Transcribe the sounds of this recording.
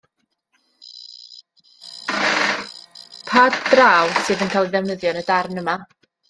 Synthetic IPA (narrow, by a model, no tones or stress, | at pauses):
pʰaːdd̥raːwsɨːðənkʰajlˠiðɛvnəðjɔnədarnəma